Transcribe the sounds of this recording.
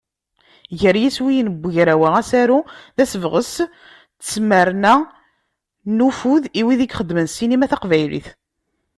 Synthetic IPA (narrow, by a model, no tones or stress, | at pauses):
ʝəɾjiswijnəbʷːʝɾæwææsæɾuðæsəvʁəs | t͡sːməɾnæ | nufuðiwiðiɡχəd̪ːmənsinimæθaqvæjlḭθ